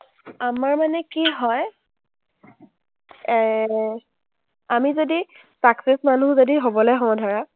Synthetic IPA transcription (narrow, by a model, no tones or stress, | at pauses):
amaɹmanɛkiɦɔj | amizodi | saksesmanuzodiɦobɔlɔjɦɔ̃dʱaɹa